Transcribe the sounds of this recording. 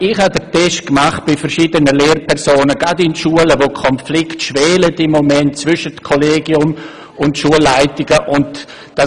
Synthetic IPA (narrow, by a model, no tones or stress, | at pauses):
ɪχhadətʰɛʃkmaχt̚b̥ɪfəɾʃiːdənəleːrpʰɛʁsoːnəɡadɪnʃuələvokʰɔnflɪktʃvɛːlətɪmːomɛntt͡svʏʃətkʰoleːɡiʊm | ʊntʃuəlːaɪtɪɡəʔʊnt | d̥a